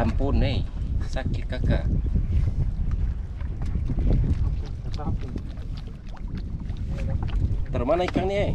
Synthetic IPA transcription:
ampunejsakikaka̰ | t̪əɾmanaikaŋnie

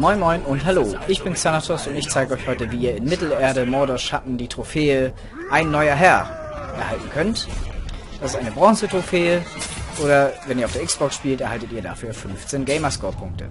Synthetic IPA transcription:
mɔʏnmɔʏnʊntɦaloːʔɪçb̥ɪnsanatʰɔstʊntɪçt͡saɪɡəɔʏçhɔʏtəviːiːɐɪnmɪtl̩eːɐɾəmɔɐdɔʃatn̩diːtʁ̥ofeːə | ʔaɪnːɔʏɐɦɛɐ | ʔɛɐhaltn̩kʰœnt | d̥asɪstʔaɪnəbʁɔ̃ŋsətʁ̥ofeːəʔoːɾɐvɛniɐaʊfd̥ːɐʔɪksb̥ɔksʃpiːltʔɛɐhaltətiːɐda̰fyːɐfʏnft͡seːnɡeɪmɐskɔːɐpʰʊŋk̚tə̰

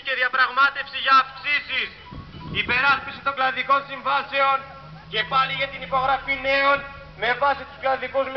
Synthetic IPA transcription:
ce̞ðiɐpɾɐɣmɐt̪e̞fsiʝɐːfksisis | ipe̞ɾɐspisi̥t̪o̞ŋklɐnðiko̞nsiɱvɐse̞o̞n | ce̞pɐliʝɐt̪inipo̞ɣɾɐfine̞on | me̞vɐsit̪u̥sklɐnðikuzm

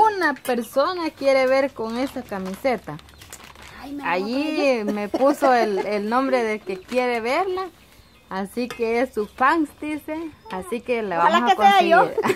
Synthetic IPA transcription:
unapeɾsonakjeɾeβeɾkoŋesakamiset̪a | ajimeppusoelelnõmbɾeðelkekjeɾeβeɾlaː | sikeesːufaŋsd̪iseasikelaβalahaekoeajo

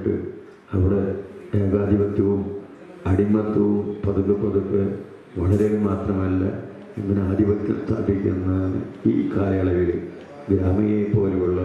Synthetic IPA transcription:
ɖɨ̰ | ɐʋiɽed̪eːɡaːd̪ʱibɐt̪jɐʋum | ɐɽimːɐt̪ːɐʋumpɐðuɣɐpːɐðukːɨ | ʋɐɭɐɾeʋmaːt̪rɐmɐlːɐ̰ | eŋːɐneaːd̪ʱibɐt̪ːɐ̰st̪ʰa̰ːb̪ʱikʲːunːɐ̰ḭːkaːlɐjɐɭɐʋiɭɨ | ɡɾaːmɐjepːo̞ːleuɭːɐ

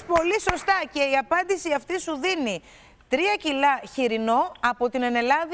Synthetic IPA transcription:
po̞liso̞st̪ɐce̞iɐpɐnd̪isiɐft̪isuðini | t̪ɾiɐcilɐçiɾino̞ɐpo̞t̪inene̞lɐð

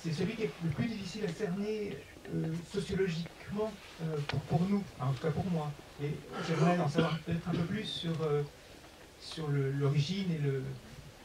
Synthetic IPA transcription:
sɛsəlɥikʲiɛləplyd̪ifisilasɛʁne | øsɔsjɔlɔʒikmɑ̃ | øpuʁpuʁnufɛɑ̃t̪u̥kapuʁmwaeʒɛvʁɛɑ̃savwɑ̃ʁpøt̪ɛt̪χɛ̃pøplysːyʁø | syʁləlɔʁiʒinelə

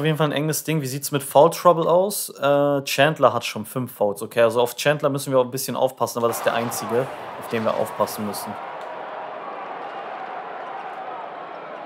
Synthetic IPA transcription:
ʊfjedn̩falnʔɛŋəsd̥ɪŋviːziːtəsmɪtfaʊltʁ̥abl̩aʊsʔɛːt͡ʃɛntlɐɦatʃoːnfʏnfːaʊlsokʰeːalzoaʊft͡ʃɛntlɐmʏsn̩viːɐaʊxn̩bɪsçənʔa̰ʊfpʰasn̩aːbɐɾasɪ̥std̥eːɐʔaɪnt͡sɪɡəʔaʊfd̥eːnviːɐʔa̰ʊfpʰasn̩mʏsn̩

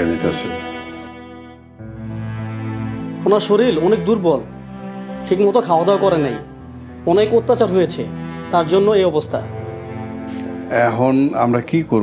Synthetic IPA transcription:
enit̪ease | onaʃoɾilɔnek̚d̪uɾbɔl | ʈʰikmɔt̪okʰaoad̪aokɔɾenej | ɔnekot̪ːat͡ɕaɾɦojet͡ɕʰet̪aɾd͡ʑonːoejɔbost̪ʰa̰ | ɛɦona̰mɾakikoɾ

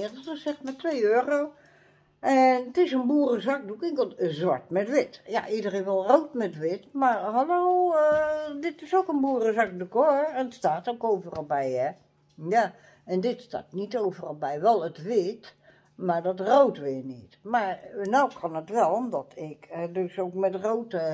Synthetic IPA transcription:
təsɛxtmatʰʋejøːərow | ʔɛntɪsənbuərəzak̚dukɪŋkozʋaɹtmɛtʋɪtja̰ʔidərenʋɛlˠrowtmɛtʋɪtmarhaloːədɪtɪsokənbuərəzak̚dukoɛnətstaːtokoːvərəlˠbɛjɛ | ja | ɛndɪtsta̰ːtnitowvəralˠbɛjʋɛlˠətʋɪt | maɹdɔtroːtʋɪənitmarnawkʰɔnətʋɛlˠomdɔtʰɪkdøsoːkmɛtrowtə

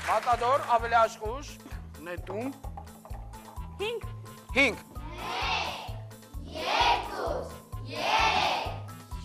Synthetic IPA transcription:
bɑt̪ɑd̪ɔɾɑvɛliɑʃχuʃnɛt̪um | hiŋɡ | hiŋɡ | u

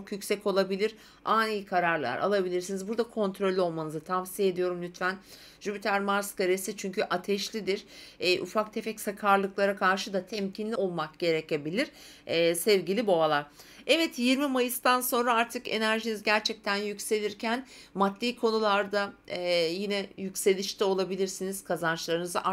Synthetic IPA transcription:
t͡ʃʰokjycʲsɛco̞lˠabilʲiɾ | aːniːkʰaɾaɾlˠa̰ɾa̰lˠabilʲiɾsinizbuɾd̪akʰo̞nt̪ʰɾo̞lʲːo̞lˠmanɯzɯt̪ʰamsije̞d̪ijo̞ɾumlʲyt̪fæn | ʒ̥ybit̪ʰæɾmaɾskaɾesit͡ʃʰyɲcʰyʔat̪ʰɛʃlʲid̪iɾ̥ɛːʔufak̚t̪ʰepɛcsakʰaɾlˠɯklˠaɾakʰaɾʃɯd̪at̪ʰɛmcʰinlʲio̞lˠmak̚ɟ̥e̞ɾece̞bilʲiɾ̥ | ɛːsɛvɟilʲibo̞alˠaɾ̥ɛvɛt̪jiɾmimajɯst̪anso̞nɾaaɾt̪ʰɯke̞̰næɾʒinizɟæɾt͡ʃʰɛc̚t̪ʰænjycʲse̞lʲiɾcʰæn | mat̪ːiːkʰo̞nulˠaɾd̪ajinɛjycʲse̞lʲiʃt̪ʰɛo̞lˠabilʲiɾsiniz̥kʰazant͡ʃlˠaɾɯnɯzaʔa

